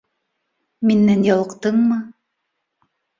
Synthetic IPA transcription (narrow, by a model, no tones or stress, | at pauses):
minːænjɑlˠɤ̆qt̪ɤɴmɤ